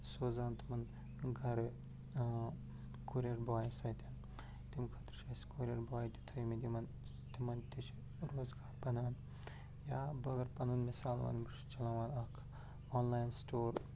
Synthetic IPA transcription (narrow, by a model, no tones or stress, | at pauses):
soːzaːnt̪ʰɨmɐn | ɡɐɾɨ | kuɾʲeɾbaːjisɐjt̪ʰʲan | t̪imkʰɐt̪ɾʃɐskuɾʲeɾbaːjd̪ʲit̪ʰɐimid̪ʲimɐn | t̪imɐnt̪it͡ʃʰi | ɾoːzɡaːɾpɐnaːn | jaːbɐɡɐɾpɐnunmesaːlʋa̰ːnbɨʃt͡ʃɐlɐmɐːnɐkʰ | onlaːjnstoːɾ